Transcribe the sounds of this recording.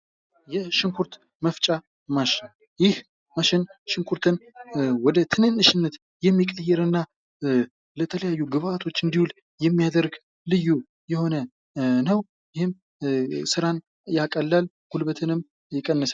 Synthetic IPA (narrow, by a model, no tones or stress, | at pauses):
jɛʃɪŋkʰuɾt̪ | məft͡ʃʼa | maʃɪn | jɪh | maʃɪnʃɪŋkʰuɾt̪ʰɨnwɔd̪ət̪ʰɨnɨnːɨʃɪnːət̪ | jɛmːikʼəjːɛɾɨnːa | lət̪ʰələjajːuɡɨβat̪ʰo̞t͡ʃːɨnd̪ihul | jɛmːijad̪əɾɡ | lɨjːu | jɛho̞nə | nəw | jɪhɨm | sɨɾan | jakʼəlːal | hulbət̪ʰɨnɨm | jɛkʼənːəs